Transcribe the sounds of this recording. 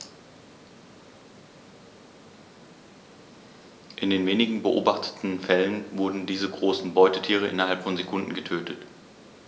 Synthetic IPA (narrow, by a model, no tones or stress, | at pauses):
ʔɪndeːnveːnɪɡŋ̩bəʔo̰ːbaχtʰə̥tn̩fɛlənvʊɐdn̩diːzəɡʁoːsn̩bɔʏtətʰiːʁ̞əʔɪ̰nɐɦalpfɔnzekʰʊndn̩ɡətʰøːtʰət